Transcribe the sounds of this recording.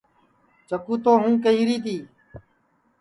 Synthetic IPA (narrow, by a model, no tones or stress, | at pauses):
t͡ʃəkuːt̪oːɦũːkəiːɾiːt̪iː